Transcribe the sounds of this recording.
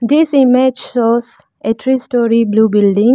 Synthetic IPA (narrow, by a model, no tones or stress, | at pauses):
d̪isimed͡ʒsɔz | eʈʰɾisʈɔɾiblubilɖĩŋ